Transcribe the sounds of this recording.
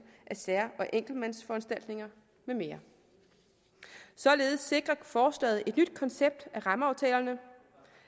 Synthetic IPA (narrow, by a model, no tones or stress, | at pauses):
ʔæsæɐ̰ɒ̽ʔeŋ̰ɡ̥l̩mænsfɒ̽ænsd̥æl̰d̥ne̝ŋɐ | meme̝ːɐ | sɒ̽le̝ːð̞̩ˠsːe̝ɡ̥ʁɐfɒːslɛ̰ːð̩ˠe̝d̥nyd̥̚kʰɒ̽nseb̥̚d̥æʁɑ̈məɑ̈ʊt͡sʰɛ̰ːlɐnə